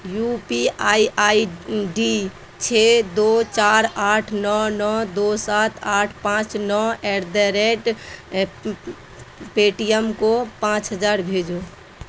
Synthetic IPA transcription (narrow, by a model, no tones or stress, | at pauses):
jupiaiaiɖi | t͡ʃʰed̪ot͡ʃaɾaʈʰnɔnɔd̪osat̪ʰaʈʰpãt͡ʃnɔeɾd̪əɾeʈ | peʈijəmkopãt͡ʃɦəd͡ʒaɾbʱed͡ʒo